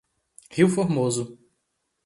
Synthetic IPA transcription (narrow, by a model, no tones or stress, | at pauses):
hiwfoɾmozʊ